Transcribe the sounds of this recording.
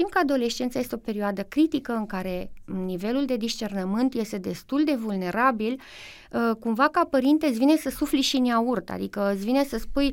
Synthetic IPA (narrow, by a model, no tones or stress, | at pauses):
t̪imkəad̪o̞le̞ʃt͡ʃe̞nt̪saje̞st̪eo̞pe̞ɾioad̪əkɾit̪ikəɨŋkaɾe̞nive̞luld̪e̞d̪iʃt͡ʃe̞rnəmɨnt̪je̞st̪e̞d̪e̞st̪uld̪e̞vulne̞ɾabil | kumvakapəɾint̪esvinesəsufliʃineaurt̪a̰d̪ikəət̪svine̞səspuj